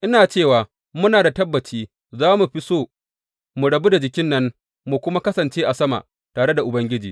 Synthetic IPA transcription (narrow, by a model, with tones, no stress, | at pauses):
ʔɪ˦naː˨t͡ʃeː˦˨waː˨ | mʊ˦naː˨da˨tɐ˦bːɐ˨t͡ʃiː˦ | zaː˦mu˨ɸi˦soː˦˨ | mu˨ɽɐ˨bu˦da˨d͡ʒɪ˨kʲɪ˦nːɐ˦n | mu˨kʷʊ˦ma˦kɐ˦sɐ˨nt͡ʃeː˦ʔa˨sɐ˦ma̰˨ʔ | taː˨ɽe˦da˨ʔʊ˨bɐ˦ŋɡʲɪ˦d͡ʒḭː˨